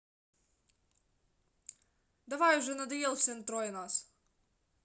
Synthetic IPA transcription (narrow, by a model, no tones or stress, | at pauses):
d̪ɐʋɑjʊʒɛnɐd̪ɐjɛlˠfsʲɛnt̪ɾɔjɛnas